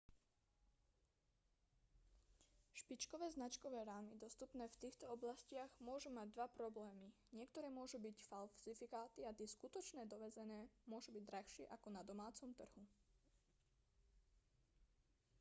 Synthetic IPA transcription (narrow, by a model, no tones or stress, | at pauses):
ʃpit͡ʃkɔʋɛːznat͡ʃkɔʋɛːɾaːmid̪ɔst̪upnɛːft̪iːxt̪ɔɔblascɪaɣmʊɔʒumaɟ̚d̪ʋapɾɔblɛːmiɲɪɛkt̪ɔɾɛːmʊɔʒubicfalsifikaːt̪iat̪ɪɛskut̪ɔt͡ʃnɛːd̪ɔʋɛd͡zɛnɛːmʊɔʒubiɟd̪ɾaxʃɪɛʔakɔnad̪ɔmaːt͡sɔmt̪r̩ɦu